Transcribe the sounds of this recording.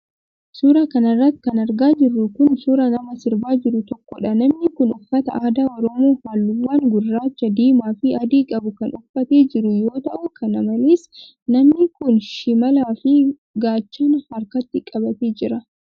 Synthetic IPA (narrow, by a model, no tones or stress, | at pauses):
suːɾakɐnɐrːɐt̪ːkɐnɐɾɡaːd͡ʒɪrːʊkʊnsuɾɐnɐmɐsɪɾbaːd͡ʒɪɾʊt̪ɔkːɔᶑɐnɐmnɪkʊnʊfːɐt̪ɐ̰ʔaːd̪aːɔɾɔmo̞ːhaːlːʊwːaːŋɡʊrːaːt͡ʃːɐd̪iːmaːfɪɐd̪iːkʼɐbʊkɐnʔʊfːɐt̪e̞ːd͡ʒɪɾʊjo̞ːt̪ɐʔʊkʰɐnɐmɐleːs | nɐmnɪkʊnʃɪmɐlaːfɪ | ɡaːt͡ʃːoːnhɐɾkɐt̪ːɪkʼɐbɐt̪eːd͡ʒɪɾɐ